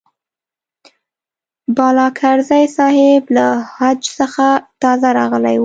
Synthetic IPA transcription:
bɑlɑkʰaɾzajsɑhɪblahad͡ʒsəxat̪ɑzaɾɑɣəla̰j

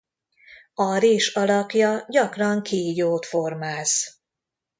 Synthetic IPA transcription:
ɒɾeːʃɒlɒkjɒɟɒkrɒŋkʰiːjoːt̪fo̞rmaːz

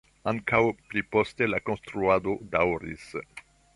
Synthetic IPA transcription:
aŋkawplipo̞ste̞lakonst̪ɾuado̞dawɾḭs

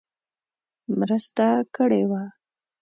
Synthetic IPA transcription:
mɾəst̪akəɽewa

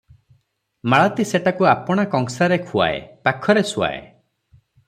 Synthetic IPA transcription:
maɭat̪iseʈakuapɔɽ̃akɔŋsaɾekʰua̰ḛpakʰɔɾesua̰ḛ

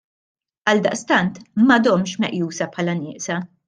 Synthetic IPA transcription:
ɐld̪ɐʔst̪ɐnt̪mɐd̪ɔmʃmɛʔjuːsɐpʰħɐlɐnɪːʔsɐ

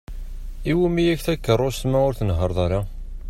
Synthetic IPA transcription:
iwumijæçθækːərˤːost̪mæʊɾθənɦəɾˤðˤɑɾˤɑ

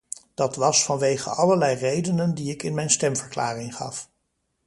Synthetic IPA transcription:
d̥ɑtʋɑsfɑnʋejχə̰ʔɑləɹlɛjrejdənəndiɪkɪnmɛjnstɛmvəɹkla̰ːrɪŋχɑ̰f

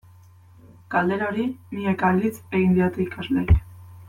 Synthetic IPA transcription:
kald̪e̞ɾoɾiniekalit͡se̞ɣind̪iot̪uikazlek

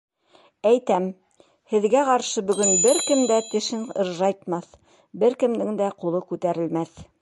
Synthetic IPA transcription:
æjt̪æm | hɘ̆ðɡæqɑɾʃɤbɵ̆ɡɵnbɘɾkɘ̆md̪æt̪ɘ̆ʃɘnɤ̰̆ɾʒɑjt̪mɑθ | bɘɾkɘ̆md̪ɘŋd̪æqulˠɤkʉt̪æɾɘ̆lmæθ

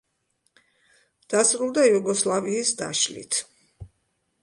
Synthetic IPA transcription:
d̪̥asɾulˠd̪ajuɡɔslˠaviːsd̪a̰ʃlḭt̪ʰ

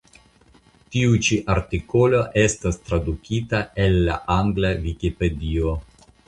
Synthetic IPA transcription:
tiut͡ʃiʔaɾtiko̞lo̞ʔe̞stast̪ɾadukʰitae̞lːa̰ʔaŋɡlavikipe̞dio

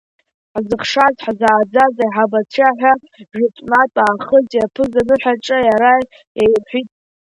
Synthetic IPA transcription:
ħzɨχʂazħzaːd͡zazajħabat͡sʷʰaħᶣʷa | ʒɪtʷʼnatʼaːχəzʼjapʰɨzanɨħʷᶣaʈ͡ʂʼajaɾa | jajħʷitʼ

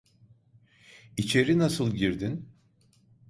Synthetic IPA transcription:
it͡ʃʰe̞ɾinasɯlˠɟiɾd̪in

